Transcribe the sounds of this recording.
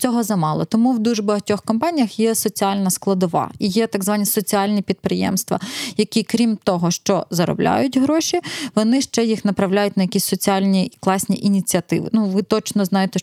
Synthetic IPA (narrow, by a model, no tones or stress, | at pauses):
t͡sʲɔɦɔzɐmɑlˠɔ̰t̪ɔmuwd̪uʒbɐɦɐtʲɔxkɔmpɑnʲijɐxjɛsɔt͡sʲiɑlʲnɐsklˠɐd̪ɔʋɑ̰ijɛt̪ɐɡzʋɑnʲisɔt͡sʲiɑlʲnʲipʲid̪̚pɾɪjɛ̰mst̪ʋɐ̰jɐkʲikɾʲimt̪ɔɦɔʃt͡ʃɔzɐɾɔ̰blʲa̰jʊtʲɦɾɔʃʲiʋɔnɪʃt͡ʃɛjixnɐpɾɐwlʲajʊt̚ʲnɐjɐkʲisʲsɔt͡sʲiɑlʲnʲiklˠɑsʲnʲiʔinʲit͡sʲiɐt̪ɪ̰ʋɪ̰nuʋɪt̪ɔt͡ʃnɔznɑjet̪ɛ